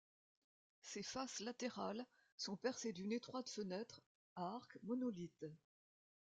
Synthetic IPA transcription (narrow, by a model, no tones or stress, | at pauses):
sefaslat̪eʁal | sɔ̃pɛʁsed̪ynet̪χwat̪fənɛt̪χ | aʁkmɔnɔlit̪